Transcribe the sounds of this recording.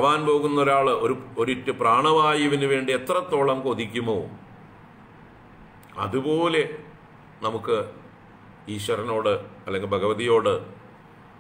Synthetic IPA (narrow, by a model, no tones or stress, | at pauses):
ɐʋaːnpo̞ːɣunːɐo̞ɾaːɭɨoɾuoɾiʈːɨpraːɳɐʋaːjiʋɐnɨʋe̞ːɳɖie̞t̪rɐt̪ːo̞ːɭɐmko̞ːd̪ikʲːumo̰ː | ɐ̰ðupo̞ːle̞ | nɐmukːɨ | iːɕʋɐɾɐno̞ːɽɨɐlːe̞ŋɡilbʱɐɣɐʋɐðijo̞ːɽɨ